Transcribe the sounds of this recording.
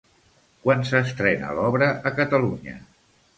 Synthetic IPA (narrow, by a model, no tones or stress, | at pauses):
kwansəst̪ɾɛnə̰lɔβɾəʔəkət̪əluɲə̰